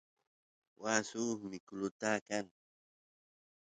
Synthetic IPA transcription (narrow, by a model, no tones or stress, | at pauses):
wasuːmɪkʊlʊt̪aːkan